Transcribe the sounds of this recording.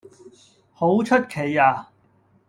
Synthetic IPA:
ho˨˥wt͡ʃʰɵ˥t̚kʰe˨˩jaː˧

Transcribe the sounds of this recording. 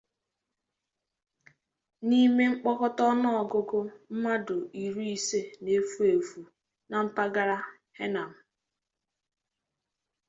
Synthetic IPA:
ni˦me˦ŋ͡m̩˦k͡pɔ˦kɔ˦tɔ˦nɔ˦ɔ˨ɡʊ˦ɡʊ˦m̩˦ma˦dʊ˨i˨ɾu˦i˨se˦ne˦fu˦e˨fu˨ | na˨m̩˦pa˦ɡa˦ɾa˦ | he˦na˨m̩˨

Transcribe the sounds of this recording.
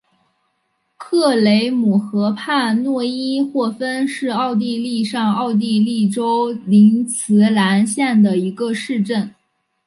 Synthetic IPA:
kʰɤ˥˩le˧˥ɪmu˨˩xɤ˧˥pʰa˥˧nwɔ˥˩i˥xwɔ˥˩fə˥nʂɻ̩˥˧ɑ˥˧ʊt̪̬i˥˧li˥˧ʂɑ˥˧ŋɑ˥˧ʊt̪̬i˥˧li˥˩ʈ͡ʂo˥ʊli˧˥ŋt͡sʰɹ̩˧˥la˧˥nɕjɛ˥˩nd̪ə˩i˧˥ɡə˧ʂɻ̩˥˧ʈ͡ʂə˥˩n

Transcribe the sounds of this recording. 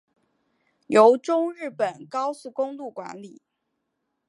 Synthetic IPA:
jo˧˥ʊʈ͡ʂʊ˥ŋɻɻ̩˥˩pə˨˩nkɑ˥ʊsu˥˩kʊ˥ŋlu˥˩kwa̰˧˥nli˨˩˦

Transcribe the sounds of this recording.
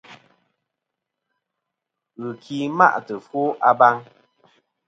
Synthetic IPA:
ɣɨ˨kʰi˨ma̰˦˨ʔtə˨fwo˦ʔa˦ba˦ŋ

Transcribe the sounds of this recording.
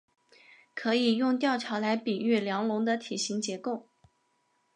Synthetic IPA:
kʰɤ˧˥i˨˩jʊ˥˧ŋt̪jɑ˥˩ʊʈ͡ʂʰɑ˧˥ʊla˧˥ɪpi˨˩y˥˩ljɑ˧˥ŋlʊ˧˥ŋd̪ə˧t̪ʰi˨˩ɕi˧˥ŋt͡ɕjɛ˧˥ko˥˩ʊ

